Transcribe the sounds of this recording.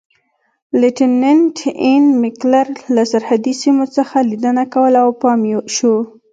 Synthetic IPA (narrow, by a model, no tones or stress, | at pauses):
leʈinenʈɪnmɪklaɾlasaɾhad̪isimot͡səxalid̪ənakawəlaawpɑmjoʃo